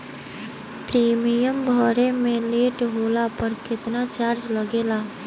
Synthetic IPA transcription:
pɾiːmijəmbʱɔːɾemẽleːʈɦoːlapəɾkɪt̪nat͡ʃaːɾt͡ʃləɡeːlaː

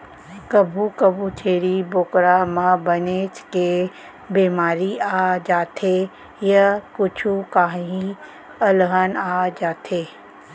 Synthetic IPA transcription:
kɐbʱukɐbʱut͡ʃʰeːɽiboːkɾamãbɐneːt͡ʃke | biːmaːɾiaːd͡ʒaːt̪ʰe | jakʊt͡ʃʰukaːɦĩ | ɐlɦənaːd͡ʒaːt̪ʰeː

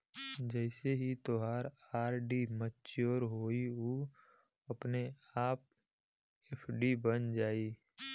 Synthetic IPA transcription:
d͡ʒəɪseɦit̪oɦaːɾaːɾɖimətːt͡ʃoːɾɦoːio | əpne | aːp̚ | eːpʰɖibənd͡ʒaːiː

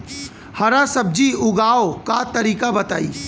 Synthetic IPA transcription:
hɐɾasɐb̚d͡ʒiʊɡaːokat̪ɐɾiːkabɐt̪a̰ːḭː

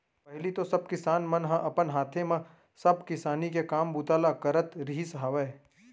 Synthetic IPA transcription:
pɛɦlit̪osɐb̚kɪsaːnmɐnɦãʔɐpənɦaːt̪ʰemã | sɐbkɪsaːnikekaːmbʊt̪aːlakɐɾət̪ɾiisɦaːʋeː

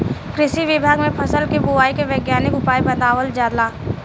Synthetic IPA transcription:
kɾɪʃiʋɪbʱaːɡmẽpʰɐsəlkeboaːikeʋjeːɡjaːnɪkʊpaːibɐ̃nd̪aːʋəld͡ʒaːd̪laː

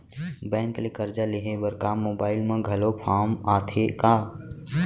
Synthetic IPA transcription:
bɛ̃ːŋklekəɾd͡ʒaleɦebəɾkamoːbaːɪlmãɡʱɐlopʰaːmaːt̪ʰekaː

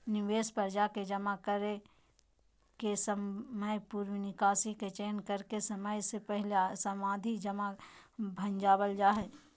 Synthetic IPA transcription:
nɪʋeːspəɾd͡ʒaked͡ʒɐmakəɾe | kesəməjpuːɾwnɪkaːsiket͡ʃeːnkəɾkesɐməjsepɛɦlesɐmaːd̪ʱid͡ʒɐmabʱɐ̃nd͡ʒaːbəld͡ʒaːɦɛː

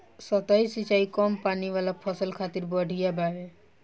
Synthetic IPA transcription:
sət̪aisit͡ʃaːikɔmpaːniʋalapʰəsəlkʰaːt̪iɾbəɽʱijabaɦe

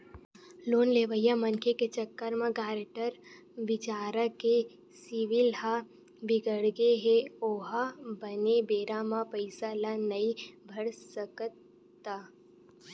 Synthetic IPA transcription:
loːnleːʋəjamɐnkʰeket͡ʃəkːəɾmãɡaːɾʈəɾ | ʋɪt͡ʃaːɾəke | sɪʋɪlɦa | bɪɡəɽɡeɦeoːɦabənebeːɾamãpəɪsalanɐibʱɐɽsəkt̪ː | a

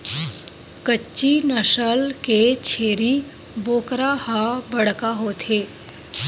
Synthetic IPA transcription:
kət͡ʃːt͡ʃːinəʃəlket͡ʃʰeːɾi | boːkɾahabəɽkaɦoːt̪ʰeː

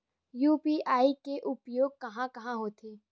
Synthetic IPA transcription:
juːpiːʔaːikeʔʊpjoːɡ̚kɐɦãkɐɦãɦoːt̪ʰeː

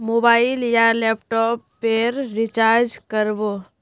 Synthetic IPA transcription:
mobaːɪljalɛːpʈɔːpːeɾːɪt͡ʃaːɾd͡ʒkəɾboː

